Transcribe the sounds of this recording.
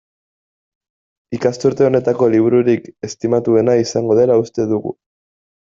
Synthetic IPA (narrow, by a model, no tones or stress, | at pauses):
ikast̪uɾt̪e̞o̞ne̞t̪ako̞liβ̞uɾuɾike̞st̪imat̪ue̞naisaŋɡo̞ð̞e̞laust̪e̞ðuɣṵ